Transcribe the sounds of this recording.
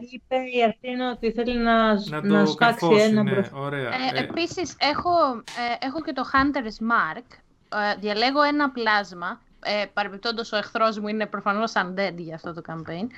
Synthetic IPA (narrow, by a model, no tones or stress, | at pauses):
ipeiɐftinot̪iθe̞linɐnɐspɐksienɐbɾoɾepisise̞xo̞exo̞ce̞t̪o̞xɐnt̪eɾzmɐɾk | ðʝɐle̞ɣo̞e̞nɐplɐzmɐ | epɐɾepep̚t̪o̞nd̪ɐso̞exθɾo̞zmuine̞pɾofɐno̞sɐnd̪e̞d̪ʝɐːft̪o̞t̪o̞kɐmpe̞jn